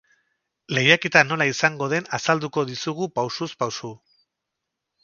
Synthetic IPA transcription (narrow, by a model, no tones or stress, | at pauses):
le̞jaket̪ano̞laisaŋɡo̞ð̞e̞nasald̪uko̞ðisuɣupawsuspawsu